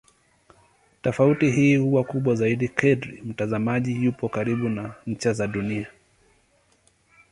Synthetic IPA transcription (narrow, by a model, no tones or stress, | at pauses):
tafautiɦiːhuwakuɓwazaiɗikʰɛdɾḭm̩tazamaʄijupɔkaɾiɓunaɲ̩t͡ʃazaɗunia